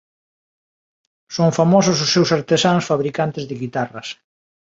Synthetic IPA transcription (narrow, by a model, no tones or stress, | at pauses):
soŋfamɔsʊs̬ʊsːewsaɾt̪esansfaβɾikant̪ɪzðɪɣit̪arɐs